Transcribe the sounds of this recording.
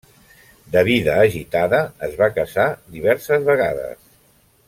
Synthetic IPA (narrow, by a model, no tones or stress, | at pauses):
d̪əβiðəːʒit̪aðəːzβakəsad̪iβɛɾsəzβəɣa̰ðə̰s